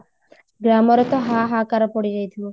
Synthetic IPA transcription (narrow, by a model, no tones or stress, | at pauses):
ɡɾamɔɾɔt̪ɔɦaɦakaɾɔpɔɽid͡ʒajt̪ʰiɔ